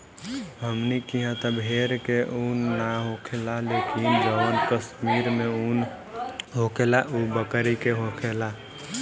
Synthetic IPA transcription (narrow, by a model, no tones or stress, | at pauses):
ɦəmnikiɦãt̪ɔbʱeɾkeʔunːaɦokʰelalekind͡ʒəbənkəsmiɾmeun | ɦokelaʔubəkəɾikeɦokʰela